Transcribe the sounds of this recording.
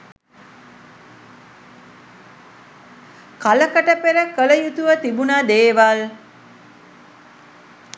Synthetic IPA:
kaləkəʈəpeɾəkələjut̪uʋət̪ibunad̪eːʋal

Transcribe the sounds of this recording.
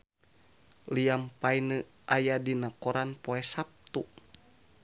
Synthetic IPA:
liampainə | ʔajadinakɔɾanpɔɛsap̚t̪u

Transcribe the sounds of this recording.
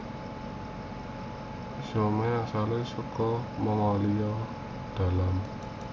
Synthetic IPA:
someasalesukɔməŋɔlijɔ | d̪̥a̤lam

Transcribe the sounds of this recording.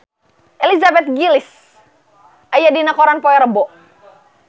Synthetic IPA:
ʔɛlizabɛt̪̚ɡilis | ajadinakɔɾanpɔɛɾəbɔ

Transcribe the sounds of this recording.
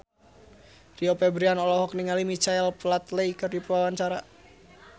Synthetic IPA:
riɔpɛbɾianɔlɔɦɔk̚niŋalimit͡ʃaɛlplat̪lejkɨrdipuwawaɲt͡ʃaɾa

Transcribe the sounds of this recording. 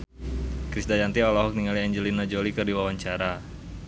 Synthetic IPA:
kɾisdad͡ʒant̪ialɔɦɔk̚niŋaliɛɲd͡ʒəlinad͡ʒolikərdiwawaɲt͡ʃaɾa

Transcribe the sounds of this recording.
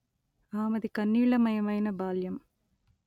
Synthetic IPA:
aːmɐðikɐnːiːɭɐmɐjɐmɐjnɐbaːljɐm

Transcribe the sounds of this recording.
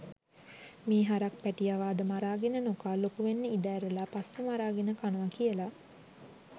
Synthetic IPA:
miːɦaɾak̚pæʈijaʋaːd̪əmaɾaːɡenənokaːlokuʋenːəid̪æːɾelapasʋəmaɾaːɡenəkanəʋakijəla

